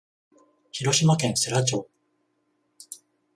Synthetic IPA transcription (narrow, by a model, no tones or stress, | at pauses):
çiɾo̞ɕimakẽ̞ɰ̃seɾat͡ɕo̞ː